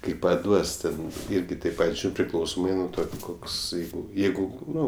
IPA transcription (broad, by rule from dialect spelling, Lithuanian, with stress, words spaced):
kɐɪ pɐˈduɔs tʲɛn ˈɪrʲɡʲɪ tɐɪp ˈpɐtʲ ˈʒuːrʲɪnt pʲrʲɪˈklˠɐʊsoːmɐɪ nuɔ ˈtoː koːkˈsɐɪ ˈjɛɪɡʊ ˈnʊ